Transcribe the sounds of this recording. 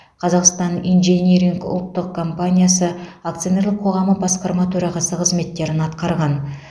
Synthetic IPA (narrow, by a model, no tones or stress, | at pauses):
qʰɑzɑqst̪ɑnijnʒenʲiɾiŋkʊ̰lˠt̪ːəqkʰːo̞mpanʲijasəakt̪sɨjone̞ɾləqʰo̞ʁɑməbɑsqɑɾmɑt̪ʰɵɾɑʁɑsəqʰəzme̞t̪ːe̞ɾɪnɑt̪qɑɾʁɑn